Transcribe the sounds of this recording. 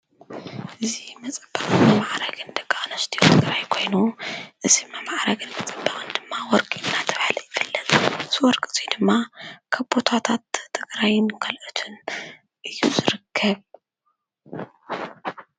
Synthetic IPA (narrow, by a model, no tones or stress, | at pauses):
ʔɨzimɐt͡sʼɐb̥ːɐχʼɨnmɨmaʕɾɐɡɨnd̪ɨkʼːanɐst̪ʰijot̪ʰɨɡɾajkʰo̞jnuʔɨzimɨmaʕɾaɡɨnmɐt͡sʼɐbːɐχʼɨnd̪ɨmːawɔɾkʼiʔɨnːat̪ʰɐβahlɐjɨɡɨlːɐlʼɨz̥iwɔɾkʼɨt͡sʼid̪ɨmːakʰɐβbot̪ʰat̪ʰat̪ʰːɨɡɾajɪnkʰɐlʔɨt̪ʰɨn | ʔɨjːuzɨɾɨkʰːɐβ